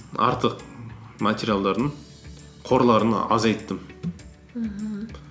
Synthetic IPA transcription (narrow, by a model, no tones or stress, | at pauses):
ɑ̰ɾt̪ʰəqmat̪ʲeɾʲjalˠd̪ɑɾd̪əɴ | qʰo̞ɾlˠɑɾən̰ɑzɑjt̪ːəm